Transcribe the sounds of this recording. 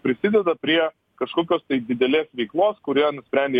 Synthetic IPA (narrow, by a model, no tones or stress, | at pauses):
pʲɾʲɪsʲɪd̪ʲɛd̪ɐpʲɾʲiɛ | kɐʃkoːkʲoːst̪ɐɪd̪ʲɪd̪ʲɛlʲeːsʋʲɛɪklˠoːskʊɾʲiɛnʊsʲpʲɾʲɛnʲd̪ʲe